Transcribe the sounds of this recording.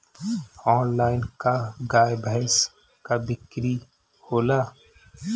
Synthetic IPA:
ɔːnlaːɪnkaɡaːjbʱəɦɛs | kabɪkɾi | hoːlaː

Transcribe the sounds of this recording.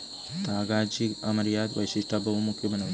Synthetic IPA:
t̪aːɡaːd͡ʒiɡɐmɐɾjaːd̪ʋɐjʃiʂʈʰabɐʋɐmukʰjɐbɐnɐʋɐ

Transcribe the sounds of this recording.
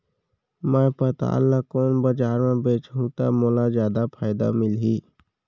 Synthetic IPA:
mə̃pət̪a̰ːlːakoːnbəd͡ʒaːɾmẽbeːt͡ʃɦũːt̪a̰moːlazjaːd̪apʰaːɪd̪a̰mɪlɦiː

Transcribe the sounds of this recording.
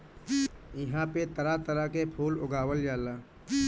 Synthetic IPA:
ɪɦãpet̪əɾat̪əɾakepʰuːlʊɡaːwəljaːlaː

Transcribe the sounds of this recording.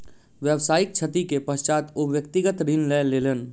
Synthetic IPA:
ʋjəʋsaːɪk̚t͡ʃʰət̪ikepəst͡ʃaːt̪oʋjək̚t̪ɪɡət̪ɾɪnlɛːleːlən

